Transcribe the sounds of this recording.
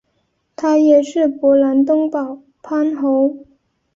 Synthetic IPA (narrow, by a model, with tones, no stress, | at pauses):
t̪ʰa˥jɛ˨˩ʂɻ̩˥˩pwɔ˧˥la˧˥nt̪ʊ˥ŋpɑ˨˩ʊ | pʰa˥nxo˧˥ʊ